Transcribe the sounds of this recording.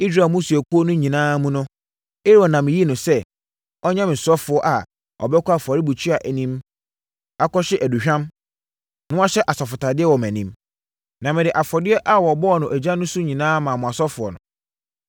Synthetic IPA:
i˦sɾa˨mũ˦su˨æ˨kʰu˦o˦nʊ̃˦ɲĩ˨nãː˦mũ˦nʊ̃˦ | e˦ɾɔ˨nã˨mɪ̃˨ji˦nʊ̃˨sɛ˦ | ɔ˦ɲã˦mɪ̃˨sɔ˦fʊ˨ɔ˦ʔa˨ | ɔ̰˨bɛ˦kʰʊ˦a˨fɔ˨ɾɪ˦bu˨t͡ɕʰi˦a˨ʔæ˨nĩ˦m | a˦kɔ˦ɕɪ˦ʔæ˨du˨ɕᶣã˦m | nʊ̃˦a˦ɕɛ˦ʔa˨sɔ˨fʊ˨tʰa˨dɪ˦ɛ˦wɔ˨mæ̃˨nĩ˦m | nã˨mɪ̃˨dɪ˨ʔa˨fɔ˨dɪ˦ɛ˦ʔa˦wɔ˨bɔ˦ɔ˨nʊ̃˨ʔæ˨d͡ʑã˦nʊ̃˦sʊ˦ɲĩ˨nãː˦mã˨mʊ̃˨a˨sɔ˦fʊ˨ɔ˨nʊ̰̃˨

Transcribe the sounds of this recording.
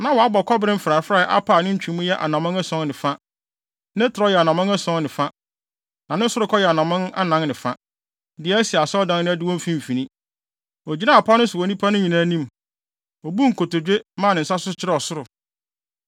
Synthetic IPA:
nã˨wɔ˨a˦bɔ˨kʰɔ˦bɾɪ̃˦m̩˦fɾa˨˦fɾa˦˨˦ʔa̰˦pʰa˨nɪ̃˦ɲ̩˦t͡ɕᶣĩ˨˦mũ˦jɛ˦ʔa̰˨nã˨mʊ̃˦ŋæ˦sɔ̃˦nnɪ̃˨fa˦ | nɪ̃˦tʰɪ˨ɾɔ˦jɛ˨a˨nã˨mʊ̃˦ŋɛ˦sɔ̃˦nnɪ̃˨fa˦ | nã˨nɪ̃˦sʊ˦ɾʊ˨˦kʰɔ˦jɛ˨a˨nã˨mʊ̃˦na̰˦nã˦nnɪ̃˨fa˦ | dɪ˨ɛ˦si˨a˨sɔ˦dã˦n˦nɪ̃˦æ˦dɪ˦wɔ̃˦fĩ˦m̩˨fĩ˨nĩ˦ | ɔ˨d͡ʑi˦nã˦˨a˨pʰa˦nʊ̃˦sʊ˨wɔ˨nĩ˦pʰa˦nʊ̃˦ɲĩ˨nã˦nĩ˦m | ɔ˨bu˦ŋ̩˨kʰo˨to˨d͡ʑᶣe˦mãː˦˨nɪ̃˨sa˦sʊ˦t͡ɕʰɪ˦ɾɛ˦ɔ˨sʊ˦ɾʊ˨

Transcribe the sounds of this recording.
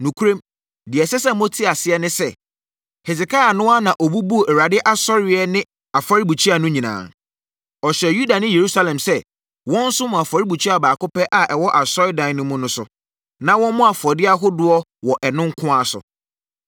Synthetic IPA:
nũ˨kʰu˦ɾẽ˦m | dɪ˨ɛ˨sɛ˦sɛ˦mõ˦tʰi˦a˨sɪ˦ɛ˦nɪ̃˦sɛ˦ | hɛ˨sɪ˨kʰa˦a˨nʊ̃˦a˦nã˨ʔɔ˨bu˦bu˦˨ʔɛ˨ɾa˨dɪ˦ʔa˦sɔ˦ɾɪ˨˦ɛ˦nɪ̃˦ | a˨fa˦ɾi˦bu˨t͡ɕʰi˦a˨nʊ̃˦ɲĩ˨nã̰ː˨ | ɔ˨ɕɛ˨ju˦da˨nɪ̃˦je˨ɾu˦sa˦lɛ̃˨msɛ˦ | wɔ̃˦n̩˦sʊ˦mʊ̃˨a˨fa˨ɾi˦bu˨t͡ɕʰᶣi˦a˨baː˨kʊ˦pɛ˦ʔa˨ʔɛ˨wɔ˦ʔa˨sɔ˦ɪ˦dã˨n˦nʊ̃˦mʊ̃˦nʊ̃˦sʊ̰˨ | nã˦wɔ̃˦nmʊ̃˦a˨fɔ˨dɪ˦a˦ɦʊ˦dʊ˦ɔ˦wɔ˨ʔɛ˨nʊ̃˦ŋ˦kʰʊ̃˦a˨sʊ̰˨

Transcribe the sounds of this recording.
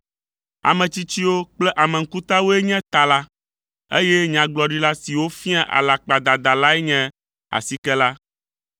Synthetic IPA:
a̰˨mɛ̃˨t͡ɕi˦t͡ɕi˦wo˦k͡plɛ˦ʔa˨mɛ˨ŋ̩˦ku˦t̪a˦wo˦ɛ˦ɲɛ̃˦t̪a˨la˦ | ḛ˦jɛ˦ɲ˨ã˨ɡ͡blɔ˨ɖi˦la˦si˨wo˦fĩ˦ã˦˨ʔa̰˨la˨k͡pa˨d̪a˨d̪a˨la˦ɛ˦ɲɛ̃˦ | a̰˨si˦kɛ˦la˦

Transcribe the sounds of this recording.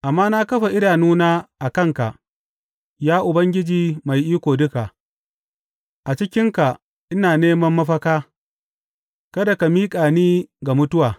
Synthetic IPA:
ʔa˨mːaː˦na˦kɐ˦ɸa˨ʔɪ˦ɽaː˨nuː˦naː˦ʔa˨kɐ˦ŋka˨ʔ | jaː˦ʔʊ˨bɐ˦ŋɡʲɪ˦d͡ʒiː˨ma˨jʔiː˦kʷoː˨dʊ˦ka˨ʔ | ʔa˨t͡ʃɪ˦kʲɪ˦ŋka˨ | ʔɪ˦naː˨neː˦mɐ˦mːɐ˦ɸɐ˦kaː˦ | kɐ˦da˨ka˨miː˦kʼaː˨niː˦ɡa˨mʊ˦tʊ˦waː˨

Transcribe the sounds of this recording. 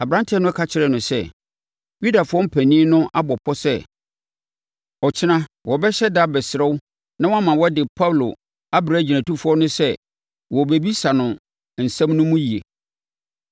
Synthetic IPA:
a˨bɾã˦ntʰɪ˦ɛ˦nʊ̃˦ɛ˦kʰa˦t͡ɕʰɪ˨ɾɛ˨nʊ̃˨sɛ˦ | ju˦da˨fʊ˨˦ɔ˦m̩˦pʰæ˨nĩ˦nʊ̃˦ʔa˦bɔ˨pʰɔ˦sɛ˦ | ɔ˨t͡ɕʰɪ˦nã˦wɔ˨bɛ˦ɕɛ˦da˦bɛ˨sɪ˨ɾɛ˦wʊ˦ | nã˦wɔ˦a˦mã˨wɔ˦dɪ˨pʰa˦wlo̰˨ | a˦bɾa˨˦d͡ʑi˨nã˨tu˦fʊ˦ɔ˦nʊ̃˦sɛ˦ | wɔ˨be˨bi˦sa˨nʊ̃˨ | n̩˨sã˦mnʊ̃˦mũ˦ji˨e˨

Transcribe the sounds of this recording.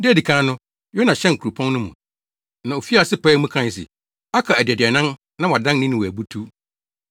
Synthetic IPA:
dɪ˦æ˨di˨kʰãː˦nʊ̃˦ | jɔ˦nã˨ɕɛ̃˦ŋ̩˨kʰu˨ɾu˨pʰɔ̃˦n˦nʊ̃˦mṵ̃˨ | nã˨o˨fi˦a˨sɪ˦pɛː˦mũ˦kʰã˦n˨s̬ɪ̰˨ | a˦kʰa˨æ˨dɪ˨ɛ˨dɪ˨ɛ˨nã˦n | nã˦wa˨dã˦nnĩ˦nʊ̃˨wɔ˨æ˨bu˦tʰu˦

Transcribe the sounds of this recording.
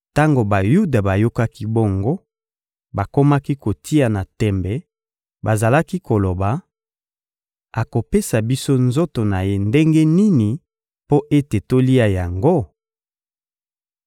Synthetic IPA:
ta˦ŋɡo˨ba˨ju˦da˨ba˨jo˦ka˦ki˦bo˦ŋɡo˦ | ba˨ko˦ma˦ki˦ko˨tʰi˦a˨na˨tɛ˨mbɛ˨ | ba˨za˨la˦ki˦ko˨lo˨ba˨ | a˨ko˨pe˦sa˨bi˦so˦nzo˦to˨na˨je˦nde˦ŋɡɛ˦ni˦ni˨ | po˦ʔe˦te˨to˦li˦a˦ja˨ŋɡo˦

